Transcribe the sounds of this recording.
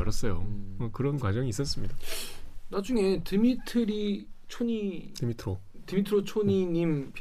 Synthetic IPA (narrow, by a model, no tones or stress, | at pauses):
ʌɾʌs͈ʌjoʌkɯɾʌnkwad͡ʑʌŋiːs͈ʌs͈ɯmɲidanad͡ʑuŋe̞tɯmitʰɯɾit͡ɕʰoɲitimitʰɯɾo | tɯmitʰɯɾot͡ɕʰoɲiɲimp